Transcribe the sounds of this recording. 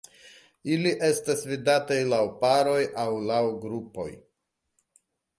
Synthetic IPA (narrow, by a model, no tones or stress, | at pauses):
iliʔe̞stasvidatajlawpaɾo̞jawlawɡɾupo̞̰j